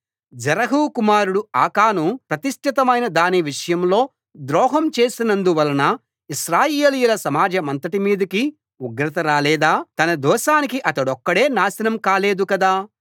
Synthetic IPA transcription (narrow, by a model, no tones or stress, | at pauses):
d͡ʒɐɾɐɦuːkumaːɾuɽuaːkaːnupɾɐt̪iʂʈʰit̪ɐmɐjnɐd̪aːniʋiʂɐjɐmlo̞ː | d̪ɾɔːɦɐmt͡ʃe̞ːsinɐnd̪uʋɐlɐnɐ | iʃɾaːjeːlijulɐsɐmaːd͡ʒɐmɐnt̪ɐʈimiːd̪ɐki | uɡɾɐt̪ɐɾaːlɛːd̪aːt̪ɐnɐd̪ɔːʃaːnikiʔɐt̪ɐɽɔkːɐɽe̞ːnaːsɐnɐmkaːle̞ːd̪ukɐd̪aː